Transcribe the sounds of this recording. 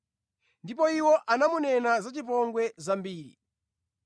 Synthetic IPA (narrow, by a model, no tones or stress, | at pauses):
ndip̬ɔiwɔʔanamunɛnazat͡ʃip̬ɔŋɡwɛzambiːɾḭ